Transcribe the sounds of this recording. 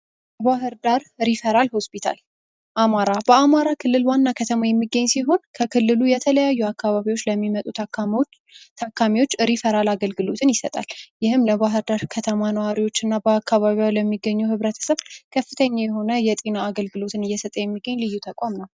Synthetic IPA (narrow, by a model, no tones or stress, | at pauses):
l | əβahɨɾd̪aɾɾifəɾalho̞spʰit̪ʰa̰l | ʔamaɾabəamaɾakʰɨlːɨlwanːakʰət̪ʰəmajɛmːiɡːəɲːsiɦo̞nkʰəkʰɨlːɨlujɛt̪ʰələjajːuakːaβaβiwo̞t͡ʃːləmːimət̪ʼu | t̪ʰakʰːamiwo̞t͡ʃːɾifəɾalaɡəlɡɨlo̞t̪ʰɨnjɪsət̪ʼa̰ljɪhɨmləβaɦɨɾd̪aɾkʰət̪ʰəmanəwaɾiwo̞t͡ʃːɨnːabəakːaβaβiawləmːiɡːəɲːuhɨβɾət̪ʰə̥səβkʰəfːɨt̪ʰəɲːajɛho̞nəjɛt̪ʼinaːɡəlɡɨlo̞t̪ʰɨnɨjːɛsət̪ʼəjɛmːiɡːəɲːlɨjːut̪ʰəkʼamnəw